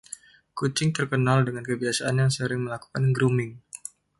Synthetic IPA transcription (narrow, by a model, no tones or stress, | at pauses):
kut͡ʃɪŋt̪ərkənaldəŋankəbiasaʔanjaŋsəɾɪŋməlaku̥kanɡɾumɪŋ